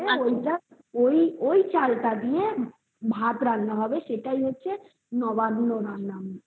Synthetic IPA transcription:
eoit̪ə | oioit͡ʃalkad̪ije | bʱat̪ɾãnnəɦɔbeʃeʈaiɦotːt͡ʃʰe | nɔʋanːoɾãnname

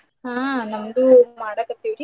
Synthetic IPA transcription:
ɦãːnɐmd̪umaːɽakɐt̪ːiʋɾi

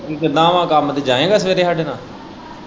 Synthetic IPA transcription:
kikɪd̪ãːʋãːkamt̪eːd͡ʒãːẽːɡaːsəʋeːɾeːɦaːɖeːnãː

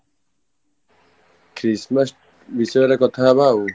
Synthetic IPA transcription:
kʰɾismɐs | bisʌɾɐkɔt̪ʰaːbaːu

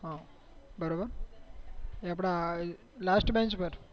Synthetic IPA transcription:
ɦa | bəɾobəɾ | eapɽ̃a | lasʈbẽɲt͡ʃpəɾ

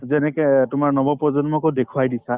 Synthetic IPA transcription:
zɛnɛkɛtʊmaɹnɔbɔpɹɔzɔnmɔkodekʰuajdisa

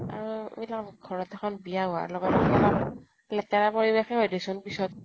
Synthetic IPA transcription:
a̰ɹṵmilakɡʱɔɹɔtɛkʰɔnbijaɦʊa̰lɔɡɔtɔila | lɛtɛɹapoɹibexɛɦɔjdesɔnpisɔt̚

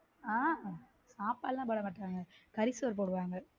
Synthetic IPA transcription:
aː | saːpaːlːãːbɐɽɐmaːʈːaːŋɡɐkɐɾɪsɯʋɐɾp̬oːɽɯʋaːŋɡɐ

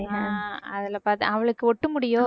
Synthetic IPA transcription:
aɐðɐlɐpaːɾt̪ɯ̰ɐʋɐɭɯkːɯɔʈːɯmʊɽɪjoː

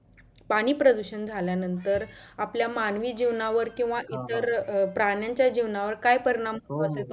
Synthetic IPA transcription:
paɽ̃iːpɾəd̪uɕənd͡zʱaljanənt̪əɾapljamanʋiːd͡ʑiʋnaʋəɾkĩw̃ʋaʔit̪əɾpɾaɳjaɲt͡ɕjad͡ʑiʋnaʋəɾkajpəɾiɽ̃amkəoəset̪o

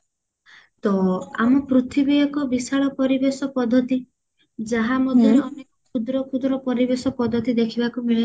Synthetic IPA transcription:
t̪ɔamɔpɾut̪ʰibejɔkɔbisaɭɔpɔɾibesɔpɔd̪ʱːɔt̪i | d͡ʒaɦamɔd̪ʱjɔɾeɔnekɔkʰud̪ɾɔkʰud̪ɾɔpɔɾibesɔpɔd̪ʱːɔt̪id̪ekʰibakumiɭe

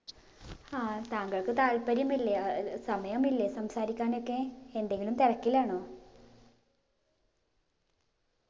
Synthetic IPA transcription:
aːt̪aːŋɡɐɭkɨt̪aːlpɐɾjɐmilːesɐmɐjɐmilːesɐmsaːɾikʲːaːno̞kːe̞ːnd̪e̞ŋɡilumt̪irɐkːilaːɳoː

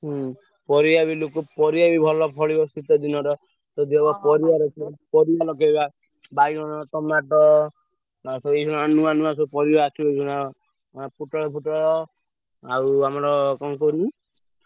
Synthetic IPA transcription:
ɦ | pɔɾiabilokupɔɾijabibʱɔlɔpʰɔɭiɔst̪it̪ɔd̪inɔɾɔ | t̪ɔd̪eɔbɔpɔɾiaɾɔt͡ʃʰpɔɾialɔkeba | bajɾɔnɔt̪ɔmaʈɔ | asɔesʰuñanuanũas̬ɔpɔɾiɔat͡ʃʰuejsʰuna | pʰuʈɔɽɔpʰuʈɔɽɔ | awamɔɾɔkɔŋkoni

